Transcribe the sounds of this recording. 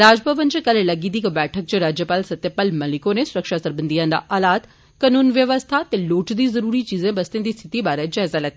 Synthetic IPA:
ɾaːd͡ʒbʱəʋənd͡ʑekɐllɐɡĩd̪ikbɛːʈʰək̚t͡ʃeɾaːd͡ʒjəpaːlsɐt̪jəpəlmɐlɪkõnesʊɾəkʃasɐɾbənd̪ijãnd̪a̰ʔaːlaːt̪ | kɐnuːnʋjəʋəst̪ʰat̪eloːʈd̪izɐɾuːɾit͡ʃiːzẽbɐst̪ẽnd̪iːst̪ʰɪt̪ibaːɾɛd͡ʒɐɦzalɐt̪ː

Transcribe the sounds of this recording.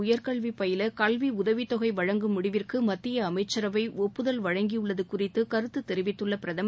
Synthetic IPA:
ʊjɐɾkɐɭʋipːɐjɪlɐkɐlʋiʊðɐʋit̪ɔɣɐɪʋɐɻɐŋɡɯmʊɽɪʋɪrkɯmɐt̪ːɪjɐːmɐɪt͡ʃːɐɾɐʋɐɪʔɔpːɯðɐlʋɐɻɐŋɡijɯɭːɐðɯkʊrɪt̪ːɯkɐɾɯt̪ːɯt̪ːɛɾɪʋɪt̪ːɯɭːɐpɪɾɐðɐm

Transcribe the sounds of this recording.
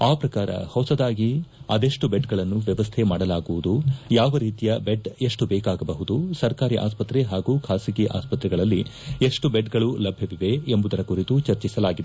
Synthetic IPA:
aːpɾɐkaːɾɐ̰hɐwsɐd̪aːɡiɐd̪eʂʈubeɖɡɐɭɐnːuʋjɐʋɐst̪ʰemaːɽɐlaːɡuʋud̪ujaːʋɐɾiːt̪ijɐbeɖe̞ʂʈubɛːkaːɡɐbɐɦud̪usɐɾkaːɾiʔa̰ːspɐt̪ɾeɦaːɡuːkʰaːsiɡiʔa̰ːspɐt̪ɾɛɡɐɭɐlːie̞ʂʈubeɖɡɐɭulɐbʱjɐʋiʋe̞embud̪ɐɾɐkuɾit̪ut͡ʃɐɾt͡ʃisɐlaːɡid̪e

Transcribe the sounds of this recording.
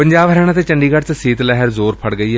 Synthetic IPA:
pə̃ɲd͡ʒaːbɦəɾɛːɽ̃ãːt̪eːt͡ʃəɳɖiːɡəɽt͡ʃsiːt̪lɛɦəɾzoːɾpʰəɽɡəiːɦɛː

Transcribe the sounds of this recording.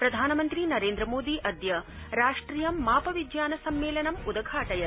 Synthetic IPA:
pɾɐd̪ʱaːnɐmɐnt̪ɾinɐɾeːnd̪ɾɐmoːd̪iʔɐd̪jɐ | ɾaːʂʈɾijɐmːaːpɐʋid͡ʒjaːnɐsɐmːeːlɐnɐmud̪ɐɡʱaːʈɐjɐɾ

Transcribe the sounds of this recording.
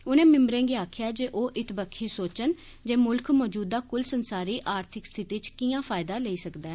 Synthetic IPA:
ʊnẽːmɪ̃mbɾẽːɡiːaːkʰjaːd͡ʒeːʔoːʔɪt̪bəkʰːiːsoːt͡ʃən | d͡ʒeːmʊlkʰmɔːd͡ʒuːd̪aːkʊlsənsaːɾiːʔaːɾt̪ʰɪkst̪ʰɪt̪iːt͡ʃkiːãːpʰaːɪd̪aːləiːsəkd̪aː

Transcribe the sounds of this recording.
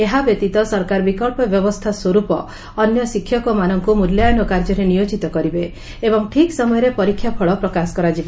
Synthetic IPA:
eɦabjɔt̪it̪ɔsɔɾkaɾbikɔɭpɔbjɔbɔst̪ʰaswɔɾupɔː | njɔsikʰːjɔkɔmanɔŋkumuljajɔnɔkaɾd͡ʒɔɾenijod͡ʒit̪ɔkɔɾibe | ebɔŋʈʰiksɔmɔjɔɾepɔɾikʰːjapʰɔɭɔpɾɔkasɔ̥kɔɾad͡ʒibe

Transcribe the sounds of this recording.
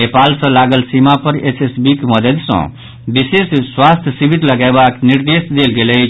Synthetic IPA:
epalsə̃laɡəlsimapəɾesesbikməd̪əd̪sə̰̃ | bisesswast̪ʰjəsibit̪ləɡabakniɾd̪esd̪elɡelə

